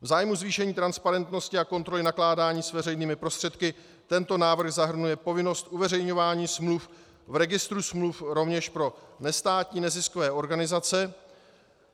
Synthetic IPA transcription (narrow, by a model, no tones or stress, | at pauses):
vzaːjmuzviːʃɛɲiːt̪ɾanspaɾɛnt̪no̞scɪako̞nt̪ɾo̞lɪnaklaːdaːɲiːsvɛrɛjniːmɪpɾo̞st̪r̥ɛt̪kɪ | t̪ɛnt̪o̞naːvr̩xzaɦr̩nujɛpo̞vɪno̞st̪ʔuvɛrɛjɲo̞vaːɲiːsmluf | vɾɛɡɪst̪ɾusmlufɾo̞vɲɛʃpɾo̞nɛst̪aːt̪ɲiːnɛzɪsko̞vɛːʔo̞ɾɡanɪzat͡sɛ